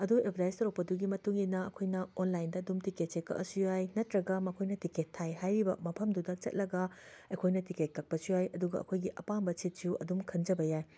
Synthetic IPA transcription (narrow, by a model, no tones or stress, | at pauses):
ɐduebʰʱɾajstɐɾɐk̚pɐduɡimɐtuŋinːɐɐkʰojnɐonlajndɐːdumtiket̚t͡ʃekːɐ̰ʔɐsujajnɐtɾɐɡɐmɐkʰojnɐtiketʰːajɦajɾibɐ̰mɐpʰɐmdudɐt͡ʃɐ̰t̚lɐɡɐɐkʰojnɐtiket̚kɐk̚pɐsujajɐduɡɐʔɐ̰kʰojɡiʔɐpambɐt͡ʃʰit̚suʔɐ̰dumkʰɐnd͡ʒɐbɐjaj